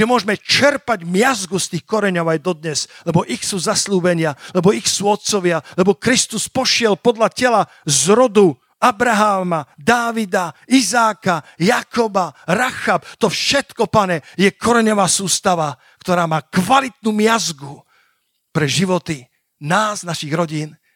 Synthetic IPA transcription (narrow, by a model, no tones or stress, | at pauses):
ʒɛmʊɔʒɛmɛt͡ʃɛɾpaɟmɪazɡust̪iːxkɔɾɛɲɔʊajd̪ɔd̪ɲɛz̥lɛbɔʔixsuːzasluːbɛɲɪalɛbɔixsuːɔt̪̚t͡sɔʋɪalɛbɔkɾist̪uspɔʃɪɛlpɔd̪ʎacɛla | zɾɔd̪u | abɾaɦaːmad̪aːʋid̪aizaːkajakɔbaɾaxapt̪ɔfʃɛt̪kɔpaɲɛjɛkʰɔɾɛɲɔʋaːsuːst̪aʋa | kt̪ɔɾaːmaːkʋalit̪̚nuːmɪazɡu | pɾɛʒiʋɔt̪i | naːznaʃiɣɾɔɟiːn